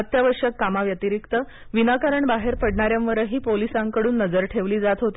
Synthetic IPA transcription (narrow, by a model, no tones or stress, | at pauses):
ət̪jaʋəɾʂjəkːamaʋjət̪iɾikt̪ə | ʋinakaɾəɳbaɦeɾpəɽɳaɾjãmʋəɾəɦiːpolisãŋkəɽuːnːəd͡zəɾʈʰeʋliːd͡zat̪ɦot̪i